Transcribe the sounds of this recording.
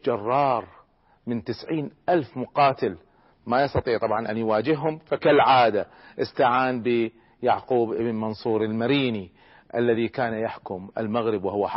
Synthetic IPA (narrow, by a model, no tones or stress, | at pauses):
d͡ʒɑrˤːɑːɾˤ | mɪnt̪ɪsʕiːnʔalfmʊqɑːt̪ɪl | majɑsˤt̪ɑt̪ˤiːʕt̪ˤɑbʕɑnʔanjwaːd͡ʒɪhːʊmfakalʕaːd̪aʔɪst̪aʕaːnbi | jaʕquːbʔɪbnmɑnsˤuːɾɪlmaɾiːni | ʔalːaðikaːnjaħkʊmʔɪ̰lmaɣɾɪbwɪhʊwaħ